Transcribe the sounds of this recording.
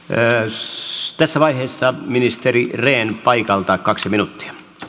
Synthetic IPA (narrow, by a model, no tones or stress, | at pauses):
t̪æsːæʋɑiheːsːɑminist̪erireːnpɑikɑlt̪ɑkkɑksiminut̪ːi̥ɑ̥